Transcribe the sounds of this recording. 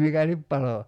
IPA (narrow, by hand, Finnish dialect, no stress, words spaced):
mikælip pɑlo